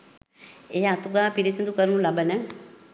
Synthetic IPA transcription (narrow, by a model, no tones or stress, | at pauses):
eat̪uɡaːpiɾisind̪ukəɾnũlɐbənə